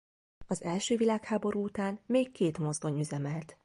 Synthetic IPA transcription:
ɒzɛlʃøːvilaːkhaːbo̞ɾuːut̪aːnmeːkːeːt̪mo̞zd̪o̞ɲyzɛmɛlt̪

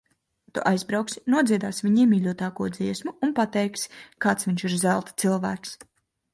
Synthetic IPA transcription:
t̪ṵʔajzbɾawksi̥nuɔd̪ziɛd̪aːsvʲiɲiːmiːlʲuɔt̪aːkuɔd̪ziɛsmuːnpat̪ɛjkskaːt̪svʲiɲʲʃiɾzælˠt̪t̪sɨlˠvæːks

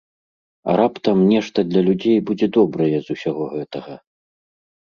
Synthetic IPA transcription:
ɐ̰ɾapt̪ɐmnʲɛʂt̪ɐd̪lʲɐlʲud͡zʲejbud͡zʲɛd̪ɔbɾɐjɛzusʲaɣɔɣɛt̪ɐɣɐ

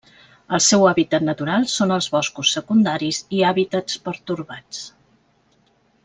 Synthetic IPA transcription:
əlˠsɛwaβit̪ət̪nət̪uɾalˠsonəlˠzβɔskusːəkund̪aɾiziaβit̪ət͡spəɾt̪uɾβat͡s

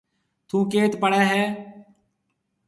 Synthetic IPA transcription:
t̪ʰũːkeːt̪pəɽɛːɦɛː

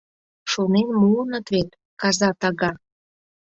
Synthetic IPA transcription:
ʃonenmuənɤ̆t̪βet̪ | kɑzɑt̪ɑɣɑ

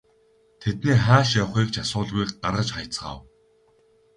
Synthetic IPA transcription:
t̪ʰet̪neːχaːʃjɔwχiːkt͡ɕʰasʊːɮɣujːkɢaɾʁə̆t͡ɕχajʰt͡sə̥̆χa̰w

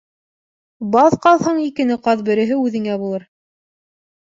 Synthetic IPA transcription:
bɑlqɑlˠhɤɴikɘ̆nɘqɑðbɘ̆ɾɘ̆ɦɘʉðɘ̆ŋæbulˠɤɾ

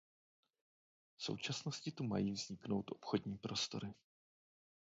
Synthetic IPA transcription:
fso̞̰wt͡ʃasno̞scɪt̪uma̰jiːvz̥ɲɪkno̞wt̪ʔo̞pxo̞dɲiːpɾʔo̞st̪o̞̰ɾɪ

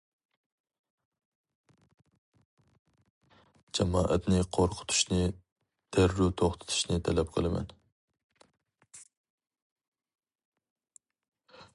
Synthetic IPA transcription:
d͡ʒɛmɑːʔɛt̪nɪqʰoɾqʰʊ̥t̪ʰu̥ʃnɪ | d̪̥ʰæɾːut̪ʰoχt̪ʰɪ̥t̪ʰu̥ʃnɪt̪ʰɛlɛp̚qʰəlˠɨmɛ̰n

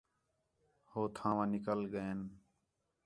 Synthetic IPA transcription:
hoːt̪ʰãːʋãːnɪkəlɡəeːn

